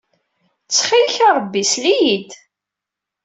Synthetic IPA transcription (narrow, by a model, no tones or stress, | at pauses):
t͡sːχilçaɾˤəbːislijid̪